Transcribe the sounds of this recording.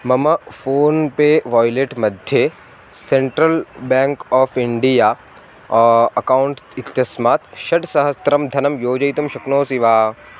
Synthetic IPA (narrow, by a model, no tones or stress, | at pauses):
mɐmɐfoːnpeʋɔːjleːʈmɐd̪ʱje | sẽɳʈɾəlbɛ̃ːŋkɔːfʰɪɳɖijaː | ɐkaːwɳʈɪt̪jɐsmaːt̪ʃɐɖsɐɦɐst̪ɾɐmd̪ʱɐnɐmjoːd͡ʒɐjt̪ɐmʃɐknoːsiʋaː